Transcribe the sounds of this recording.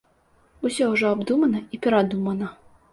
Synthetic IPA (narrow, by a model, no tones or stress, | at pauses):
usʲɔuʐɔabd̪umɐnɐipʲɛɾad̪umɐnɐ